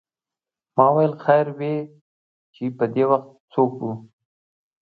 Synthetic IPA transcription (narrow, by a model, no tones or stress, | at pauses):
mɑwajəlxajɾwe | t͡ʃepəd̪ewaxt̪̚sokwu